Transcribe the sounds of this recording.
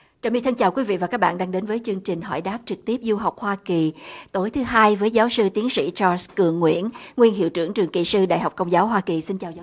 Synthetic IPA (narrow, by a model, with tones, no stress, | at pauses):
t͡ɕaː˨˩wmi˧t̪ʰə˧nt͡ɕaː˨˩wkwi˨˦vḭ˧˨vaː˨˩kaː˦˥ɓ̰ːnɗaː˧ŋɗe˨˦nvəː˨˦jt͡ɕɨ˧əŋt͡ɕï˨˩ŋ̟ɦɔ̰˧˩jɗaː˦˥p̚t͡ɕɨ˨˩k̚t̪i˦˥əp̚zu˧ɦa˨˩wk͡p̚hwaː˧ki˨˩t̪o˨˦jt̪ʰɨ˨˦ɦaː˧jvəː˨˦jzaː˨˦wsɨ˧t̪i˨˦ənsḭ˧˥˨t͡ɕɔ˧kɨ˨˩əŋːwḭ˧˥ənŋwi˧ənɦḭ˧˨əwt͡ɕɨ˧˩əŋt͡ɕɨ˨˩ŋkḭ˧˨˩sɨ˧ɗa̰˧˨jɦa˨˩wk͡pkə˧wŋ͡mzaː˨˦wɦwaː˧ki˨˩si˧nt͡ɕaː˨˩w